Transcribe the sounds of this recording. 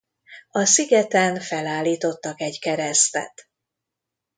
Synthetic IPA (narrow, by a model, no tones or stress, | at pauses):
ɒsiɡɛt̪ɛnfɛlaːliːt̪o̞t̪ːɒkɛɟkɛɾɛst̪ɛ̰t̪